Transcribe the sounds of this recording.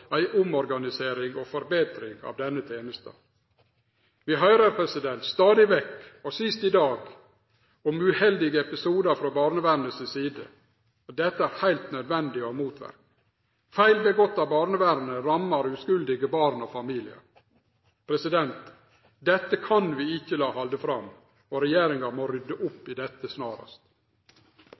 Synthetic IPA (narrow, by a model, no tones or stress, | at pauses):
æɪʔʊmɔɾɡɑnɪseːɾɪŋoːfɔɾbeːt̪ɾɪŋɑ̰ːʋd̪ɛnːət̪ʰeːnəst̪ə̰ | ʋɪɦœʏɾəɾpʰɾɛsɪd̪ɛnt̪st̪ɑːd̪ɪʋɛkɔsɪst̪ɪd̪ɑːɡ | ʊmʉhɛld̪ɪɡəɛpɪsuːd̪ɑfɾoːbɑːɾnəʋæɾnəsɪsiːd̪ə̰ | d̪ɛt̪ːəæɾhæɪlt̪nœd̪ʋɛnd̪ɪɔmuːt̪ʰʋæ̰ɾk̚ | fæɪlbəɡɔt̪ːɑbɑːɾnəʋæɾnəɾɑmːɑɾʉskʉld̪ɪɡəbɑːɾnɔfɑmiːlɪɑ̰ | pʰɾɛsɪd̪ɛnt̪ | d̪ɛt̪ːəkʰɑnʋiːɪçːəlɑːhɑld̪əfɾɑm | ɔɾɛjeːɾɪŋɑɾmoɾʏd̪ːəʔʊpːɪd̪ɛt̪ːəsnɑːɾɑ̰st̪